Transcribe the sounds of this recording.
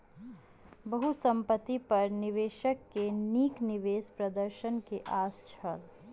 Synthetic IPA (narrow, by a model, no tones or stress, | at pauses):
bəɦusə̃mpət̪ipɐɾnɪʋeːʃəkːeniːknɪʋeːspɾəd̪əɾʃənkeʔaːst͡ʃʰəl